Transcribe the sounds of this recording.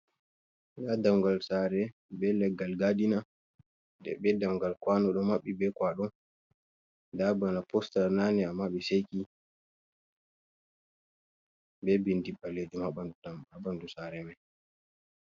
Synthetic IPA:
dadaŋɡalsaːɾɛ | ɓɛlɛɡalɡadina | dɛ̰ɓɛdaŋɡalkwanɔɗɔmaɓːibɛkwaɗɔn | dabanapɔstalnanɛamːaɓɛsejki | bɛbindiɓːaled͡ʒumhaɓandudamaɓandusaɾɛmɛ

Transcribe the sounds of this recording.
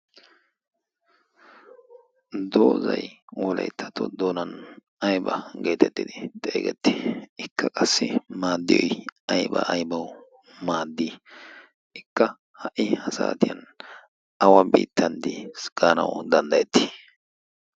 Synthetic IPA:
d̪oːzɐ̰jwɔlɐ̰jt̪ʰːɐ̥t̪ːɔd̪oːnɐn | ɐjbɐɡe̞ːt̪ɛt̪ːɪd̪ɪt̪ʼeːɡɛt̪ːɪɪkːɐkʼɐsːɪmaːd̪ːɪjɔjɐjbɐʔɐjbɐw | maːd̪ːi | ʔɪkːɐ | hɐʔɪhɐsa̰ːt̪ɪjɐn | ɐwɐbḭːt̪ːɐnd̪ɪsɡ̥aːnɐ̰wd̪ɐnd̪ɐjɛt̪ːɪ̥

